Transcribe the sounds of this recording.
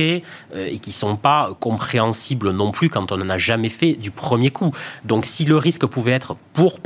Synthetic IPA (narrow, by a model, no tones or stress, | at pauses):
eøekʲisɔ̃paøkɔ̃pχeɑ̃siblənɔ̃plykɑ̃t̪ɔ̃nɑ̃naʒamɛfɛd̪ypχəmjekʰud̪ɔ̃ksiləʁiskəpuvɛɛt̪χəpuʁp